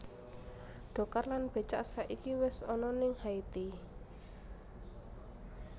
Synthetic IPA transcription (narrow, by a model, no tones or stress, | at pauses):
ɖ̥ɔ̤karlanb̥e̤t͡ʃaʔsaʔikiwɪsɔnɔnɪŋhait̪i